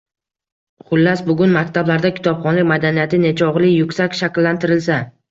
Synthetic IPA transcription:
χʊlːasbʊɡʲʊnmakʲt̪ʰablaɾd̪akʲʰɪ̥t̪ʰɒpχɒnlɪk̚ʲmad̪anijat̪ʰɪne̞t͡ʃʰɒʁlˠɪjʊkʲsakʲʃakʲlːant̪ʰɪɾɪlsa

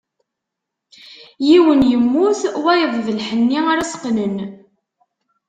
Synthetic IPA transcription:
jiwənjəmːuθwæjəðˤðəlħənːiaɾasqnən

